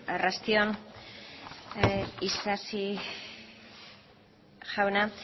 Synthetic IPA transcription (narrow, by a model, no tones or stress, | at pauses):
rast̪ion | isasi | ʝawna